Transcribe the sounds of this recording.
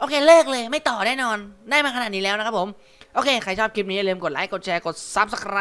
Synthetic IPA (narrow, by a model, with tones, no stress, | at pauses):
ʔoː˧kʰeː˧lɤː˥˩k̚lɤː˧jma˥˩jt̪ɔː˨˩nɛː˥˩nɔː˧ndaː˥˩maː˧kʰa˧n˨˩t̪̚niː˦˥lɛː˦˥wna˦˥kʰa˦˥pʰo˩˦m | ʔoː˧kʰeː˧kʰa˧˩jt͡ɕʰɔː˥˩p̚kʰi˦˥p̚ni˦˥a˧˨lɤː˧mko˨˩t̪̚laː˨˦˥jko˨˩t̪̚t͡ɕʰɛː˧ko˨˩t̪̚sa˦˥p̚sa˧˩kʰɾa˦˥